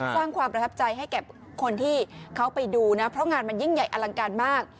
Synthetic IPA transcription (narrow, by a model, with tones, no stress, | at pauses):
ssaː˥˩ŋkʰwaː˧mpɾa˧t̪ʰa˦˥p̚t͡ɕa˧jɦa˥˩jkɛː˨˩ | kʰo˧nt̪ʰiː˥˩kʰa˦˥wpa˧jduː˧na˦˥pʰɾɔ˦˥ŋaː˧nma˧nji˥˩ŋja˨˩jʔa˧la˧ŋkaː˧nmaː˥˩k̚